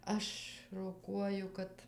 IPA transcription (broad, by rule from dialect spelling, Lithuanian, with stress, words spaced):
ˈɐʃ roːˈkuɔjʊ ˈkɐt